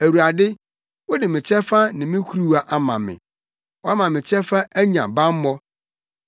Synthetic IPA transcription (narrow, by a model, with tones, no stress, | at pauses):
æ˨wu˨a˨dɪ˦ | wɔ˦dɪ˨mɪ̃˨t͡ɕʰɛ˦fa˦nɪ̃˨mɪ̃˦kʰu˦ɾu˦wa˦ʔa˦mã̰˨mɪ̰̃˨ | wɔ˦a˦mã˨mɪ̃˨t͡ɕʰɛ˦fa˦ʔæ˦ɲã̰˨bã˦m˦mɔ˦